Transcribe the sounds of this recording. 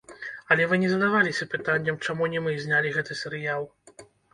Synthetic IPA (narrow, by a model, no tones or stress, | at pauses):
ɐlʲɛvɨnʲɛzɐd̪avalʲisʲɐpɨt̪anʲːɐmt͡ʂamunʲɛmɨzʲnʲalʲiɣɛt̪ɨsʲɛɾɨjalˠ